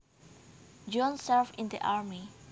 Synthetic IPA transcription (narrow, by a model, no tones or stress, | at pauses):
d͡ʒɔ̃nsɛɹfĩnd̪iʔaɹmi